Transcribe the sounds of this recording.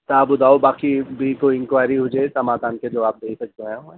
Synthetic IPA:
t̪aːbʊd̪aːobaːkibʱikoiɪ̃ŋkwaːɪɾiɦʊd͡ʒeːt̪amaːd̪aːnked͡ʒɐʋaːp̚d̪eːsɐk̚d̪eɦɛ̃õ

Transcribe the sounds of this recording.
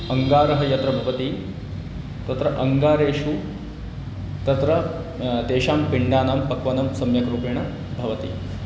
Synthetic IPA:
ɐŋɡaːɾɐɦɐjɐt̪ɾɐbʱɐʋɐt̪i | t̪ɐt̪ɾɐʔɐŋɡaːɾeːʂu | t̪ɐt̪ɾɐ | t̪eːʃaːmpiɳɖaːnaːmpɐkʋɐnɐmsɐmjɐkɾuːpeːɳɐ | bʱɐʋɐt̪ḭ

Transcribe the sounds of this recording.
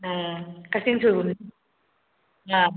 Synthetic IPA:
akasiŋsuːn | a

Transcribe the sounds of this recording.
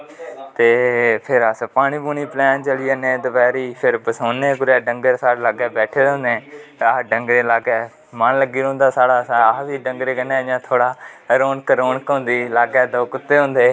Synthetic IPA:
t̪eːpʰɪɾəspaːɽ̃iːbuːniːplɛ̃ːnt͡ʃəliːənẽːd̪ʊpɛːɾiːpʰɪɾbəsoːneːkʊɾɛːɖəŋɡəɾsaːɽlaːɡɛːbɛːʈʰeːd̪ːnd̪ẽːaɖəŋɡɾeːlaːɡɛː | mənləɡiːɾõːnd̪aːsaːɽaːsʋiːɖəŋɡɾeːkəneːjãːt̪ʰoːɽaːɾoːnkəɾoːnkõːnd̪iːlaːɡɛːd̪oːkʊt̪ːeːɦʊ̃ːnd̪eː

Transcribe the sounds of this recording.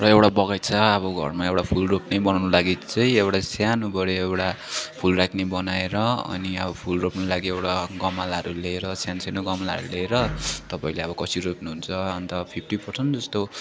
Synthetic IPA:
rʌewʈabʌɡʌjt͡sʰʌʌβʌɡʱʌ̰rmaewʈapʰulropnʌjbʌnawnolaɡit͡sʌj̃ewʈasjanubʌɽeewʈa | pʰulrakʰnʌjbʌnaeɾʌʌ̰niʌbʌpʰulropnʌlaɡiewʈaɡʌmalɦʌɾuleːɾʌsjansenoɡʌmalɦʌ̰ɾuleːɾʌt̪ʌpaĩleʌbʌkʌsiɾopnuɦunt͡sʰʌːnt̪ʌpʰipʰʈipʰʌrsʰʌnd͡zʌst̪o

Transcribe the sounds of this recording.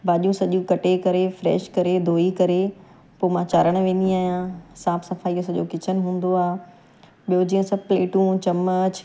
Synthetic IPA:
baːʄiũsɐʄũkɐʈekɐɾefɾɛ̰ːʃkɐɾed̪ʱoːikɐɾe | poːmãt͡ɕaːɾəɽ̃̆ʋẽːn̆d̪iaːɦijãsãːpsɐfaːiosɐʄokɪt͡ɕʰənɪ̆ɦũːn̆d̪oaːɦ | ɓijod͡ʑiːə̃sɐbpleːʈũt͡ɕɐmət͡ɕ

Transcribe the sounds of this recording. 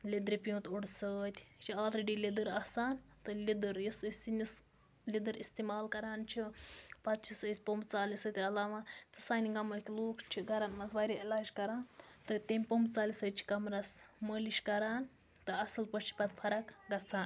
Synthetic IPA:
lʲed̪ɾipijũt̪uɽsət̪ʲt͡ʃʰiaːlɾeɖilʲid̪ɨɾɐsaːnt̪ɨlʲid̪ɨɾjisəsinʲis | lʲid̪ɨɾist̪imaːlkɐɾaːnt͡ʃʰipɐt̪̚t͡ʃʰisəsʲpombt͡saːlisət̪ʲiɾɐlaːʋat̪ɨsaːniɡɐməkʲiloːkt͡ʃʰiɡɐɾanmɐzʋaːɾʲiilaːd͡ʒkɐɾaːnt̪ɨt̪ʲemʲpombt͡saːlisəːt͡ʃʰi̥kɐmɾasməliʃʲkɐɾaːn | t̪ɨɐsɨlpɐt͡ʃʰi̥pɐt̪pʰɐɾɐkɡɐt͡sʰaːn

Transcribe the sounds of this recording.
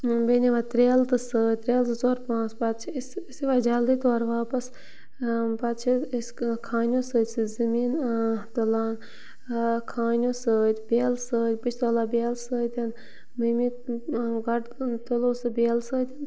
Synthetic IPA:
beːnʲiʋaːt̪ɾeːlt̪ɨsəːt̪ɾʲeːlzɨt͡soːɾpãːt͡spat̪̚t͡ʃʰissiʋad͡ʒald̪it̪oːɾʋaːpɐs | pɐt̪̚t͡ʃʰiskʰaːnʲjoːsəːt̪ʲsɨzɨmiːnt̪olaːn | kʰaːnʲjoːsəːt̪ʲbʲeːlsəːt̪ʲpɨt͡ʃʰt̪oːlaːbʲeːlsəːt̪ʲin | məmi | ɡɐɖt̪oloːsɨbʲeːlsəːt̪ʲin

